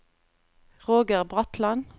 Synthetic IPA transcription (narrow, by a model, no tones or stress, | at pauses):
ʁoːɡəʁbʁɑt̪lɑn